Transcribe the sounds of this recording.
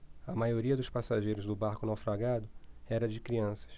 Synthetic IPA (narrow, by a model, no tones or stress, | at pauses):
ɐmajoɾiɐd̪ʊʃpasaʒejɾʊzd̪ʊbaɾkʊnawfɾaɡad̪ʊɛɾɐd͡ʒɪkɾiɐ̃sɐ̥s